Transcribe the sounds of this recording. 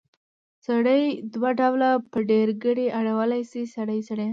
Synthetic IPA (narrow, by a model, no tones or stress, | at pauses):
saɽəjd̪waɖawlapəɖeɾɡəɽeaɽawəlajsisaɽəjsaɽəj